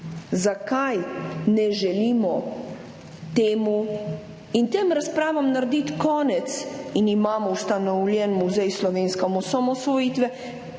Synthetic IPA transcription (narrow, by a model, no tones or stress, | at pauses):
zakajnɛʒɛliːmɔ | t̪eːmu | int̪eːmɾaspɾaːʋamnaɾd̪it̪kɔːnɛt̪sinimaːmɔwst̪anɔwlʲjɛnmuzɛjslɔʋeːnskamɔsamɔsʋɔjiːt̪ʋɛ